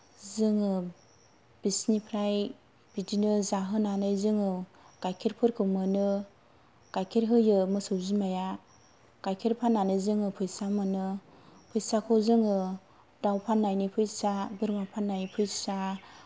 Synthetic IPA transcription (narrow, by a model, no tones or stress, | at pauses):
zɯŋɯ | b̥isnipʰɾaj | b̥idinɯzaɦɯnanɯjzɯŋɯ | ɡ̥ajkʰeɾpʰɯɾkʰɯmɯnɯ | ɡ̥ajkʰeɾɦɯjɯmɯsɯwzimaja | ɡ̥ajkʰeɾpʰanːanɯzɯŋɯpʰɯjsamɯnɯ | pʰɯjsakʰɔzɯŋɯ | dawpʰanːajnɯpʰɯjsabɯɾmapʰanːajpʰɯjsa